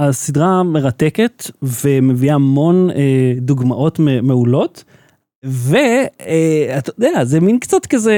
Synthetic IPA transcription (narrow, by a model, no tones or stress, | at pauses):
asidʁame̞ʁat̪eke̞t̪veme̞viaamo̞ned̪uɡmaʔo̞t̪memeulo̞t̪ | veeat̪od̪eazeminkt͡satkaze